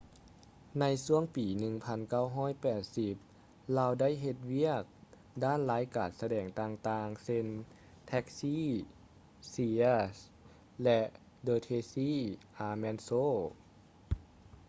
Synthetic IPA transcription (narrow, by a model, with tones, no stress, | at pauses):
na˧jsu˧˥˩əŋpiː˨˩nɯ˧˩ŋpʰa˧˥nka˥˩˨wɦɔː˥˩˨jpɛː˨˩t̪̚si˧˦p̚ | laː˧wda˥˨jɦe˧t̪̚wi˥˩ək̚ | daː˥˨nlaː˨˦jkaː˨˩n̚sa˧dɛː˨˩ŋt̪aː˧ŋt̪aː˧ŋse˧˥˨n | t̪ʰɛ˧˥k̚siː˥˨ | siː˧s | lɛ˧ʔ | dɤː˧t̪ʰeː˧siː˧˥˩ʔaː˧mɛ˧nsoː˥